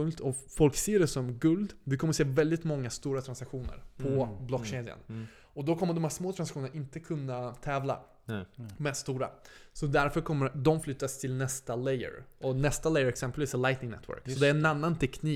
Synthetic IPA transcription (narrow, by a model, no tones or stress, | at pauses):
ɵlt̪ʰɔ | fɔlkseːɖɛsɔmɡɵld̪vɪkʰɔmːəseːvɛld̪ɪt̪mɔŋːast̪uːɾat̪ʰɾansakɧuːnə̰ɾpʰɔblɔkɕeːd̪ja̰n | ɔd̪ɔkʰɔmːəɖɔmhæːʂsmoːt̪ʰɾansakɧuːnənaɪnt̪əkʰɵnːat̪ʰɛːvla̰ | mɛːd̪st̪uːɾa̰sɔd̪æɾfœɾkʰɔmːəd̪ɔmflʏt̪ːast̪ʰɪlnɛst̪alɛjə̰ɾɔnɛst̪alɛjəɾɛksɛmpəlviːslajt̪nɪŋnɛ̰t̪ʰːwœ̰ɾksɔd̪ɛæːɾɛnanːant̪ʰɛkʰniː